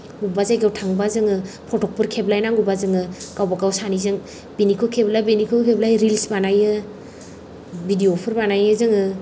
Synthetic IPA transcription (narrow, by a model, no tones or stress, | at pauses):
ɡubazajɡawtʰaŋbazɯŋɯpʰɔtɔk̚pɯɾkʰeblajnaŋɡubazɯŋɯɡawbakawsanizɯŋ | binikʰɯkʰeblajbinikʰɯkʰeblajɾilsbanajɯ | bʱidiopʰɯɾbanajɯzɯŋɯ